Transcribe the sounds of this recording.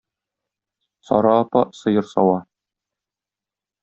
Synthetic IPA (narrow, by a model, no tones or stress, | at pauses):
sɒ̰ɾɑːpɑsɤ̆jɤɾsɒwɑ